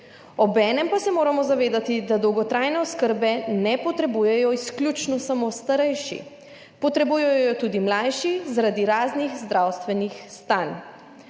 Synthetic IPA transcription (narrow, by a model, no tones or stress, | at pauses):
ɔbɛːnɛmpasɛmoːɾamɔzaʋeːd̪at̪id̪ad̪ɔwɡɔt̪ɾajnɛɔskəɾbɛnɛpɔt̪ɾɛbujɛjɔisklʲjut͡ʃnɔsamost̪aɾɛjʃḭ | pɔt̪ɾɛbuːjɛjjɔt̪ud̪imlajʃizaɾad̪iɾaːznixzd̪ɾawst̪ʋɛnixst̪an